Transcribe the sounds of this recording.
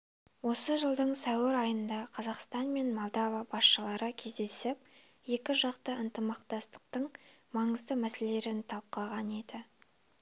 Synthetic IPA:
wo̞səʒəlˠd̪əɴsɑwɪɾɑjənd̪ɑqʰɑzɑqst̪ɑnme̞nmolˠd̪ɑvɑbɑsʃəlˠɑɾəkʲʰe̞zd̪e̞sɪp̚ | je̞kʲɪʒɑqt̪əʔənt̪əmɑqt̪ɑst̪ə̥q̚t̪əɴmɑɴəzd̪əmæse̞le̞ɾɪnt̪ʰɑlˠp̚qɑʁɑne̞d̪ɪ

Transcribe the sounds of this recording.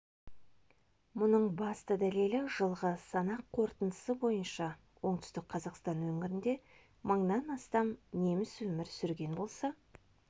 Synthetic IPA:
mʊnəɴbɑst̪əd̪æle̞lɪʒəlˠʁəsɑnɑqʰːo̞ɾt̪ənd̪ə̥səbo̞jənʃɑ | wo̞ɴt̪ʏ̥st̪ɪk̚qʰɑzɑqst̪ɑnwɵŋɪɾɪnd̪e̞ | məɴnɑnɑst̪ɑmne̞mɪswɵmɪɾsʏɾɡʲe̞nbo̞lˠsɑ

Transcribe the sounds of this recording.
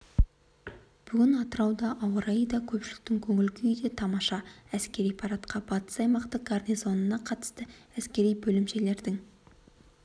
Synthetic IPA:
b̥ʏɡʲɪnɑt̪əɾɑwd̪ɑʔɑwəɾɑjd̪ɑkʲʰɵpʃɪlɪk̚t̪ɪŋkʲʰɵŋɪlɡʲɪʏjd̪et̪ʰɑmɑʃɑæskʲe̞ɾijpʰɑɾɑt̪qɑbɑt̪ə̥sɑjmɑqt̪əq̚ɡ̥arnijzo̞nənɑqʰɑt̪ə̥st̪əæskʲe̞ɾijbɵlɪmʃe̞le̞ɾd̪ɪŋ

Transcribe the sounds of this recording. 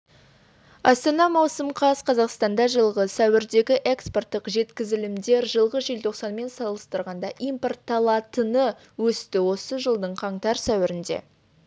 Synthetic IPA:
ɑst̪ɑnɑmɑwsəmqʰɑsqʰɑzɑqst̪ɑnd̪ɑʒəlˠʁəsæwɪɾd̪e̞ɡʲɪʔe̞kspo̞rt̪ːəqʒe̞t̪kʲɪzɪlɪmd̪e̞ɾʒəlˠʁəʒelt̪ʰo̞qsɑnme̞nsɑlˠəst̪əɾʁɑnd̪ɑʔijmpo̞rt̪ʰːɑlˠɑt̪ənə | wɵst̪ɪwo̞səʒəlˠd̪əɴqʰɑɴt̪ɑɾsæwɪɾɪnd̪e̞̰

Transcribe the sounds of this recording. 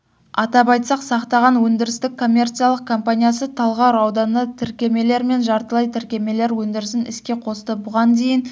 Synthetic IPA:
ɑt̪ɑpɑjt̪sɑqsɑqt̪ɑʁɑnwɵnd̪ɪɾɪst̪ɪkkʰːo̞mʲːe̞rt̪sɨjalˠəq̚kʰo̞mpanʲijasət̪ʰɑlˠʁɑɾɑwd̪ɑnːɑt̪ʰɪɾkʲe̞me̞le̞ɾme̞nʒɑɾt̪əlˠɑjt̪ʰɪɾkʲe̞me̞le̞ɾwɵnd̪ɪɾɪs̬ɪnɪ̰skʲe̞qʰo̞st̪əbʊʁɑnd̪e̞jɪn

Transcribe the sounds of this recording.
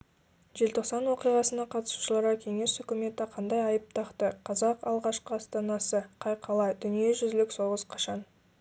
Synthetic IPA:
ʒe̞lt̪ʰo̞qsɑnwo̞qijʁɑsənɑqʰɑt̪ə̥su̥ʃəlˠɑɾʁɑkʲʰe̞ŋe̞sʏkʲɪme̞t̪ɪqʰɑnd̪ɑjɑjəp̚t̪ʰɑqt̪əqʰɑzɑqɑlˠʁɑʃqəɑst̪ɑnɑsəqʰɑjqʰɑlˠɑjd̪ʏnije̞ʒʏzlɪkso̞ʁəzqʰɑʃɑn

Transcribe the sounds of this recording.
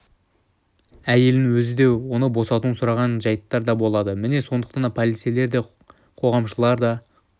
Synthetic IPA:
æje̞lɪŋwɵzɪd̪e̞wo̞nəbo̞sɑt̪uənsʊɾɑʁɑnʒɑjət̪ːɑɾd̪ɑbo̞lˠɑd̪əmɪne̞so̞nd̪əqt̪ɑnd̪ɑpʰolit̪sijle̞ɾd̪e̞ | qʰo̞ʁɑmʃəlˠɑɾd̪ɑ

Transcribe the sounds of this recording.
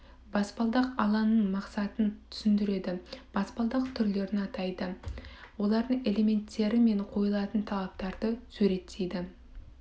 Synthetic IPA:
bɑspɑlˠd̪ɑqɑlˠɑnːəɴmɑqsɑt̪ənt̪ʰʏ̥sɪnd̪ɪɾe̞d̪ɪb̥ɑspɑlˠd̪ɑqt̪ʰʏɾle̞ɾɪnɑt̪ɑjd̪əwo̞lˠɑɾd̪əɴe̞lʲe̞me̞nt̪ːe̞ɾɪme̞ɴqʰo̞jəlˠɑt̪ənt̪ʰɑlˠɑp̚t̪ɑɾd̪əsɵɾe̞t̪ʰːejd̪ɪ

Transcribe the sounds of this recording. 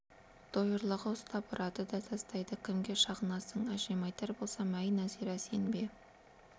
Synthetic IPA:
d̪̥ojəɾlˠəʁəʊst̪ʰɑpʊɾʔɑt̪əd̪ɑt̪ʰɑst̪ɑjd̪əkʲʰɪmɡʲe̞ʃɑʁənɑsəɴæʒemɑjt̪ɑɾbo̞lˠsɑmæjnæzeɾæsenbe

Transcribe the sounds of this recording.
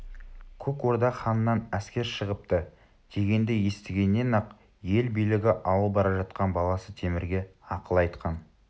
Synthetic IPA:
kʲʰɵkwo̞ɾd̪ɑχɑnənːɑnæskʲe̞ɾʃəʁəp̚t̪ə | d̪̥e̞ɡʲe̞nd̪ɪje̞st̪ɪɡʲe̞nːe̞nɑq | je̞lbijlɪɡʲɪʔɑwəlˠbɑɾɑʒɑt̪qɑnbɑlˠɑsət̪ʰe̞mɪɾɡʲe̞ɑqəlˠɑjt̪qɑn

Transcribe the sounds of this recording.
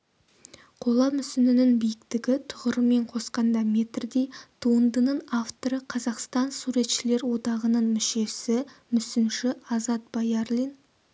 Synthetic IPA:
qʰo̞lˠɑmʏsɪnɪnɪŋbijɪkt̪ɪɡʲɪt̪ʰʊʁəɾəme̞ɴqʰo̞sqɑnd̪ɑme̞t̪rd̪e̞jt̪ʰuənd̪ənəɴaft̪o̞ɾəqʰɑzɑqst̪ɑnsuɾe̞t̪ʃɪle̞ɾwo̞d̪ɑʁənəɴmʏʃe̞sɪ | mʏsɪnʃɪɑzɑt̪̚bɑjaɾlʲin

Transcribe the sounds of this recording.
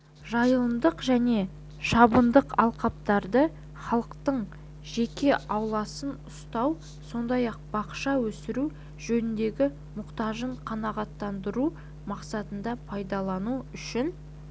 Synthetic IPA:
ʒɑjəlˠəmd̪əqʒæne̞ | ʃɑbənd̪əqɑ̰lˠqɑp̚t̪ɑɾd̪ə | χɑlˠəqt̪əɴ | ʒe̞kʲe̞ʔɑwlˠɑsənʊst̪ɑw | so̞nd̪ɑjɑq̚b̥ɑqʃɑwɵsɪɾu | ʒɵnɪnd̪e̞ɡʲɪ | mʊqt̪ɑʒəɴqʰɑnɑʁɑt̪ːɑnd̪əɾu | mɑqsɑt̪ənd̪ɑpʰɑjd̪ɑlˠɑnuʏʃɪn

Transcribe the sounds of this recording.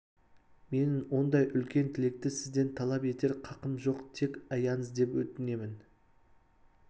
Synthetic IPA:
me̞nɪŋwo̞nd̪ɑjʔʏlkʲe̞nt̪ʰɪle̞k̚t̪ɪsɪzd̪e̞nt̪ʰɑlˠɑpe̞t̪e̞ɾqʰɑqəmʒo̞qt̪ʰe̞kʲɑjɑnəzd̪e̞pwɵt̪ɪne̞mɪn

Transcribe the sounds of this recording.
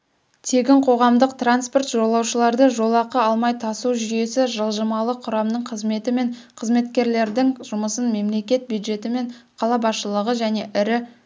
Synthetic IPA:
t̪ʰe̞ɡʲɪɴqʰo̞ʁɑmd̪əqt̪ranspo̞rt̪ʒo̞lˠɑwʃəlˠɑɾd̪əʒo̞lˠɑqəɑlˠmɑjt̪ʰɑsuwʒʏje̞sɪʒəlˠʒəmɑlˠəqʰʊɾɑmd̪əɴqʰəzme̞t̪ɪme̞ɴqʰəzme̞t̪kʲe̞ɾle̞ɾd̪ɪŋʒʊməsənme̞mle̞kʲe̞t̪̚bjud̪ʒe̞t̪ɪme̞ɴqʰɑlˠɑbɑsʃəlˠəʁəʒæne̞ʔɪɾɪ

